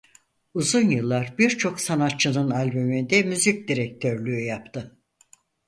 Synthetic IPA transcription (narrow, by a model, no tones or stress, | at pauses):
uzunjɯlˠːaɾbiɾt͡ʃʰo̞ksanat̪̚t͡ʃʰːɯnɯnalʲbymind̪ɛmyzic̚d̪iɾɛk̚t̪ʰøɾlʲyːjapt̪ʰɯ